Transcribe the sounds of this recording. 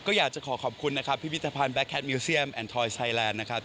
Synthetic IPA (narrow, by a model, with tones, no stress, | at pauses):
kɔː˥˩jaː˨˩k̚t͡ɕa˨˩kʰɔː˩˦kʰɔː˨˩p̚kʰu˧nːa˦˥kʰa˦˥pʰːi˦˥i˦˥t̪ʰːaː˧pʰaː˧nbɛ˦˥kʰːɛ˦˥t̪̚miː˧si˦˥əmʔɛː˧nt̪ʰɔː˧jsʰaː˧jlɛː˧nːa˦˥kʰa˦˥p̚